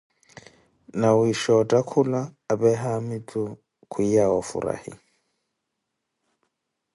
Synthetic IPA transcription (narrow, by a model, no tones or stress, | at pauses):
naʊiʃɔtʼakʰʊlaːbɛɦamɪtʼʊ | kʰʊiawɔfṵra̰hɪ̰